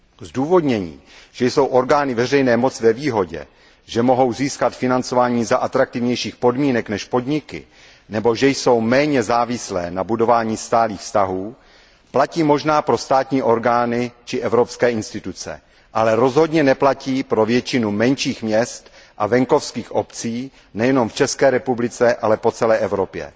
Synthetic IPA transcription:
zduːvo̞dɲɛɲḭːʒ̥ɛjso̞wʔo̞ɾɡaːnɪvɛrɛjnɛːmo̞t͡sɪvɛviːɦo̞ɟɛ̰ | ʒɛmo̞ɦo̞wziːskat̪fɪnant͡so̞vaːɲiːzaʔat̪ɾak̚t̪ɪvɲɛjʃiːxpo̞dmiːnɛknɛʃpo̞dɲɪkɪ̰ | nɛbo̞ʒɛjso̞wmɛːɲɛzaːvɪslɛ̰ːnabudo̞vaːɲiːst̪aːliːxfst̪aɦuː | placiːmo̞ʒnaːpɾo̞st̪aːt̪ɲiːʔo̞ɾɡaːnɪt͡ʃɪʔɛvɾo̞pskɛːʔɪnst̪ɪt̪ut͡sɛ̰ | ʔalɛɾo̞zɦo̞dɲɛnɛplaciːpɾo̞vjɛt͡ʃɪnumɛnʃiːxmɲɛst̪ | ʔavɛŋko̞fskiːxʔo̞pt͡siː | nɛjɛno̞mft͡ʃɛskɛːɾɛpublɪt͡sɛʔalɛpo̞t͡sɛlɛːʔɛvɾo̞pjɛ̰

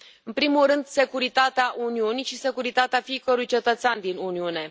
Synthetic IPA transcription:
ɨnpɾimulrɨnd̪se̞kuɾit̪at̪eaʔuniuniʃise̞kuɾit̪at̪eafiikəɾujt͡ʃe̞t̪ət̪seand̪inuniune̞

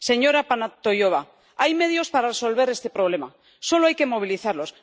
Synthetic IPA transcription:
se̞ɲo̞ɾapanat̪o̞jo̞β̞a | ajme̞ð̞jo̞spaɾareso̞lβe̞ɾe̞st̪e̞pɾo̞β̞le̞ma | so̞loajke̞mo̞β̞iliθaɾlo̞s

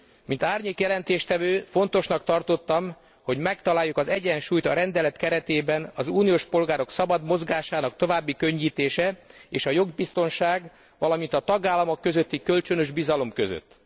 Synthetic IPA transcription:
mint̪aːrɲeːkjɛlɛnt̪eːʃt̪ɛvøːfo̞nt̪o̞ʃnɒk̚t̪ɒrt̪o̞t̪ːɒm | ho̞ɟmɛkt̪ɒlaːjːukɒzɛɟɛnʃuːjt̪ɒɾɛnd̪ɛlɛt̪kɛɾɛt̪eːbɛnɒzuːnijoːʃpo̞lɡaːɾo̞ksɒbɒd̪mo̞zɡaːʃaːnɒk̚t̪o̞vaːbːikø̞ɲːiːt̪eːʃɛeːʃɒjo̞ɡbist̪o̞nʃaːɡ | ʋɒlɒmint̪ɒt̪ɒɡaːlːɒmo̞kːø̞zø̞t̪ːikølt͡ʃø̞nø̞ʒbizɒlo̞mkø̞zø̰t̪ː

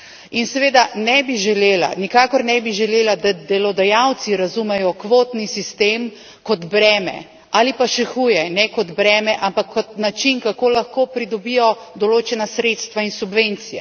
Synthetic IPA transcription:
insɛʋeːd̪anɛbiʒɛleːla̰nikaːkɔɾnɛbiʒɛleːlad̪ad̪ɛlɔd̪ajawt̪siɾazumɛjɔkʋoːt̪nisist̪eːm | kɔd̪bɾɛːmɛ̰ | aːlipaʃɛxujɛnɛkɔd̪bɾɛːmɛʔampakʰːɔt̪nat͡ʃinkakoːlaxkoːpɾid̪ɔbijɔ | d̪ɔloːt͡ʃɛnasɾet̪st̪ʋainsubʋeːnt̪sijɛ̰

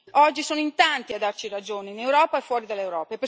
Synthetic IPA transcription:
ɔd͡ʒːisoːnʊint̪ant̪iad̪ːart͡ʃiɾad͡ʒoːneinewɾɔːpaefwɔːɾid̪alːewɾɔːpaepːe

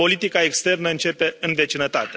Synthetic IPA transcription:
o̞lit̪ikaekst̪e̞rnəɨnt͡ʃe̞pe̞ɨnve̞t͡ʃinət̪at̪e

